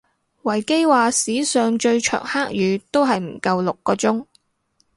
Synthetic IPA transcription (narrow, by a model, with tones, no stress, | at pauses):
wɐ˨˩jke˥jwaː˨˧siː˨˥sœː˨ŋt͡ʃɵ˧ɥt͡ʃʰœ̰ː˨˩ŋhaː˥k̚jyː˨˧t̪o˥wɦɐ˨jm̩˨˩kɐ˧wlʊ˨kːɔː˧t͡sʊ˥ŋ